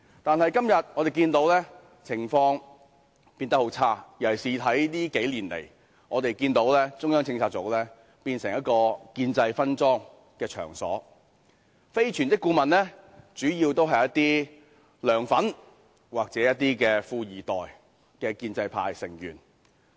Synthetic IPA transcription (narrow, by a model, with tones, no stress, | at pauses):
t̪aː˨nhɐ˨jkɐ˥mjɐ˨t̚ŋɔ˨˧ɾe˨jkiː˧nt̪o˨˥wlɛː˥ | t͡sʰɪ˨˩ŋfɔː˧ŋ | piː˧nt̪ɐ˥kho˨˥wt͡sʰaː˥jɐ˨˩jsiː˨ɐ˨˥jliː˥ke˨˥jliː˨˩nlḛ˨˩j | ŋɔː˨˧t̪e˨jkiː˧nt̪o˨˥wlɛː˥t͡sʊ˥ŋjœː˥ŋt͡sʰɪ˧ŋt͡sʰaː˧t̚t͡so˨˥wlɛː˥ | piː˧nsɪ˨˩ŋjɐ˥t̚kɔː˧kiː˧nt͡sɐ˧jfɐ˥nt͡sɔː˥ŋ | kɛː˧t͡ʃʰœ̰ː˨˩ŋsɔ̰ː˨˥ | fe˥jt͡ʃʰyː˨˩nt͡sɪ˥kːuː˧mɐ˨nlɛː˥t͡ʃyː˨˥jiː˧wt̪o˥wɦɐ˨jɐ˥t̪iː˥ | lœː˨ŋfɐ˨˥n | waː˨k̚t͡sɛː˨˥jɐ˥t̚t̪iː˥kɛː˧fuː˧jiː˨˩t̪ɔː˨˩j | kɛː˧kiː˧nt͡sɐ˧jpʰa̰ː˧jsɪ˨˩ŋjy̰ː˨˩n